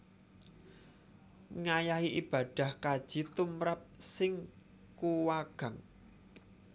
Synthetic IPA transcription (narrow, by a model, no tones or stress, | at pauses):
ŋajaɦiʔib̥ä̤d̪̥a̤hkad̥ʒ̥i̤t̪umɾap̚sɪŋ | kuwaɡ̥a̤ŋ